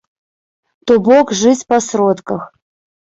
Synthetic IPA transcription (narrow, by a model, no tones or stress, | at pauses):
t̪ɔbɔkʐɨt͡sʲpasrɔt̪kɐx